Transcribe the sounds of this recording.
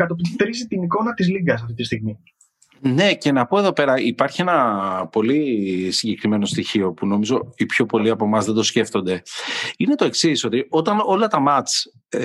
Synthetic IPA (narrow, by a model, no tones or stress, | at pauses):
kɐt̪ot̪ɾisit̪iniko̞nɐt̪izliŋɡɐs̬ɐft̪it̪ist̪iɣmi | ne̞ce̞nɐpo̞eðo̞pe̞ɾɐipɐɾçie̞nɐpo̞lisiɲɟe̞kɾime̞no̞st̪içio̞puno̞mizo̞ipço̞po̞liɐpo̞mɐzðe̞nd̪o̞sce̞ft̪o̞nd̪e̞ine̞t̪o̞e̞ksiso̞t̪io̞t̪ɐno̞lɐt̪ɐmɐt͡s